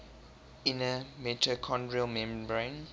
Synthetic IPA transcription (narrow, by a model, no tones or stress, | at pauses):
inəmɛtʰəkʰɔ̃ndɹiəlmɛ̃mbɹẽn